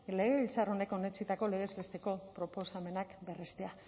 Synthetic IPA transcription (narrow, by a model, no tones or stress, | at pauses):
le̞ɣeβilt͡saro̞ne̞ko̞ne̞t͡sit̪ako̞leɣ̞e̞zβe̞st̪e̞ko̞pɾo̞po̞same̞nakbe̞rest̪ea